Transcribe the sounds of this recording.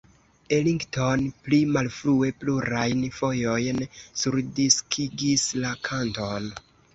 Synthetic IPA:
e̞liŋɡto̞nplimalfɾue̞pluɾajnfo̞jo̞jnsuɾdiskʰiɡislakʰanto̞n

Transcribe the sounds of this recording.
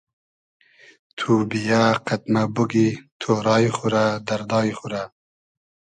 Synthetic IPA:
t̪ʰubijaqat̪mabuɡit̪ʰoɾɑːjχuɾad̪ɐɾd̪ɑːjχuɾa

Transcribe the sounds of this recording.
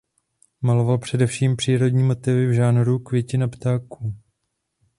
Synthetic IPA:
malo̞valpr̝̥ɛdɛfʃiːmpr̥iːɾo̞dɲiːmo̞t̪ɪvɪvʒaːnɾukvjɛcɪnapt̪aːkuː

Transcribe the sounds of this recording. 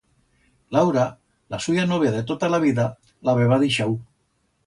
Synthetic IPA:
lawɾa | lasujanoβ̞jaðet̪ot̪alaβ̞iða | laβeβaðiʃau

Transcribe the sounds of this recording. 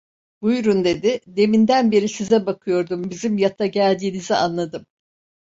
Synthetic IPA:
bujɾund̪e̞d̪ɪd̪e̞mind̪ænbeɾisizɛbakʰɯjo̞ɾd̪umbizimjat̪ʰaɟælʲd̪iːniziʔanlˠad̪ɯm

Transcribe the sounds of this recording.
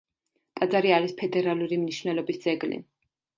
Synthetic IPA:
t̪ʼad̪zaɾiaɾispʰɛd̪ɛɾaluɾimniʃvnɛlɔbisd̪z̥ɛɡlḭ

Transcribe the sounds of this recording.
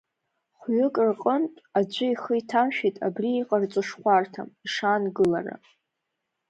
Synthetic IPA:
χʷɥʊkʼrqʼəntʼad͡ʒʷʊiχəitʰamʃᶣitʼa̰briːqʼart͡sʷʼɨʂχʷartʰa̰miʂaːnɡɨlara̰

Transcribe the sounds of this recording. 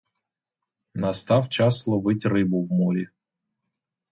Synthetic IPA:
nɐst̪ɑwt͡ʃɑslˠɔʋɪtʲrɪbʊwmɔɾʲi

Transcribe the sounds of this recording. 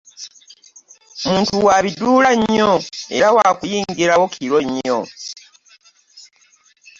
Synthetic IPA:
muːntuwaβiduːlaɲːoe̞̰ɾawaːkujiːŋɡiɾawo̞kʰiɾo̞ɲːo̰

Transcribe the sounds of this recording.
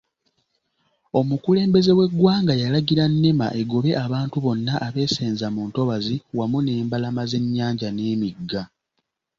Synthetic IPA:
o̞mukule̞ːmbe̞ze̞we̞ɡːwaːŋɡajalaɡiɾanːema̰ʔe̞ɡo̞βe̞ʔaβaːntuβo̞nːaʔːβe̞ːseːnzamuːnto̞βaziwamune̞ːmbalamaze̞ɲːaːɲɟane̞ːmiɡːa

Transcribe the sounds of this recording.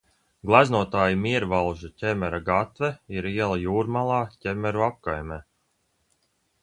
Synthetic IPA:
ɡlˠaznuɔt̪aːjimiɛɾvalˠʒacʲɛmɛɾaɡat̪vɛiɾiɛlˠajuːɾmalˠɑːcʲɛmɛɾuap̚kajmɛ

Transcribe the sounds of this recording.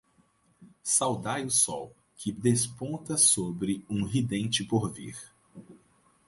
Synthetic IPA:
sawd̪ajʊsɔw | kʰɪd̪espõt̪ɐsobɾɪũɦid̪ẽnt͡ʃɪpoɾvḭɾ

